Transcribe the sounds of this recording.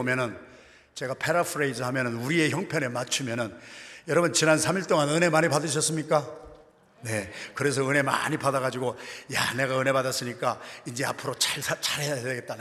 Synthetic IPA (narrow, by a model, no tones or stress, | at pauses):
omjʌnɯn | t͡ɕe̞ɡapʰe̞ɾapʰɯɾeizɯhamjʌnɯnuɾie̞çjʌŋpʰjʌne̞mat͡ɕʰumjʌnɯnjʌɾʌbɯnt͡ɕinansʰamiɭt͈oŋanɯne̞maɲipadɯɕ̬ʰʌs͈ɯmɲik͈a | ne̞kɯɾe̞sʰʌɯne̞ma̰ɲipadaɣad͡ʑiɡoja̰ne̞ɡaɯne̞padas͈ɯɲik͈aind͡ʑe̞a̰pʰɯɾot͡ɕaɭst͡ɕʰaɾɦe̞jadeɡe̞t̚t͈an